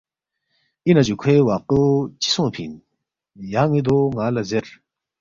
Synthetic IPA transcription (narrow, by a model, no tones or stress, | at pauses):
inad͡ʑukʰwewaqɯt͡ɕi̥sõpʰḭn | jaŋid̪oŋalazeɾ